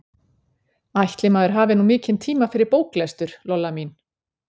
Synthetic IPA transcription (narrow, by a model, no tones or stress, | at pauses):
ajht̪lɪmaːðɛɾ̥ɦaːvɪnumɪːcɪnt̪ʰiːmafɪɾɪɾpoːwklɛst̪ʏɾ̥lɔlːamin